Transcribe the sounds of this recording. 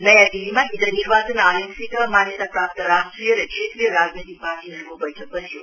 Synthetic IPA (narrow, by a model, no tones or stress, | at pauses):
nəjad̪iʋimãid̪əniɾʋasənajəksik̪əmanjət̪apɾap̚t̪əɾasʈɾijənekʃet̪ɾijəɾad͡ʒnet̪ik̚paɾʈiəɾʋobəjʈʰək̚ʋət͡ʃʰjo